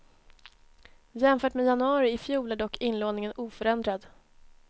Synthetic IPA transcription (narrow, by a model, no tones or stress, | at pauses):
jɛmfœːʈmeːjanɵɑːɾɪɪfjuːlæɖɔkːɪnloːnɪŋənuːfœɾɛnd̪ɾad̪